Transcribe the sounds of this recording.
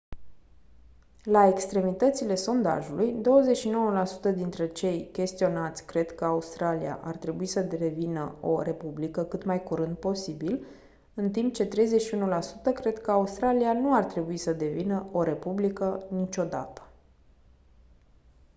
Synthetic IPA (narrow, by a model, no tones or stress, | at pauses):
lae̞kst̪ɾe̞mit̪ət̪sile̞so̞nd̪a̰ʒulujd̪o̞wəze̞t͡ʃʃino̞wəlasu̥t̪əd̪int̪ɾe̞t͡ʃe̞jkʲe̞st̪io̞nat̪sʲkɾe̞d̪kəaust̪ɾalia̰ʔa̰rt̪ɾe̞buisədevinəo̞̰ɾe̞publikəkɨt̪majkuɾɨnd̪̚po̞sibil | ɨnt̪imp̚t͡ʃe̞t̪ɾe̞jze̞ʃiunulasut̪əkɾe̞d̪kəaust̪ɾalianuart̪ɾe̞buisəd̪e̞vinəo̞ɾe̞publikənit͡ʃʲo̞d̪a̰t̪ə̥